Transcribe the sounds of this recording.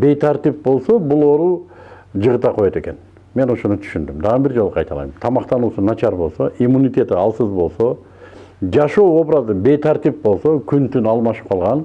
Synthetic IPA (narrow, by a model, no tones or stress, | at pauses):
be̞jt̪ʰɑɾt̪ip̚bo̞lˠsobʊlˠo̞ɾu | d͡ʒəʁət̪ɑqʰo̞jot̪e̞kʲe̞n | me̞no̞ʃo̞nət̪ʰʏ̥ʃynd̪ɪmd̪ɑʁəbɪɾd͡ʒoəqʰɑjt̪ɑlˠɑ̰jməmt̪ʰɑmɑqt̪ɑnusʊnɑt͡ʃʰɑɾbo̞lˠsoʔimunijt̪e̞t̪ɪɑlˠsəzbo̞lˠso | d͡ʒɑʃowo̞bɾɑzəbe̞jt̪ʰɑɾt̪ip̚bo̞lˠsokʲʰʏnt̪ʰynɑlˠmɑʃə̥p̚qʰɑlˠʁɑn